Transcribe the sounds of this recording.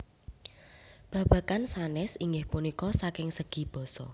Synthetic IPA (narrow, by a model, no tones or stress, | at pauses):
b̥a̤b̥ä̤kansanɪsiŋɡɪhpunikɔsakɪŋsəɡ̥i̤b̥ɔ̤sɔ̰